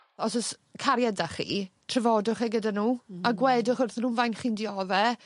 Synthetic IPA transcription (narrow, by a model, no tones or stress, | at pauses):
ɔsɔskʰaɾjɛdaχḭtʰrɛvɔdʊχɛɡədanuːaɡwɛdʊχʊrθnuːnvajnχiːndɪɔðɛ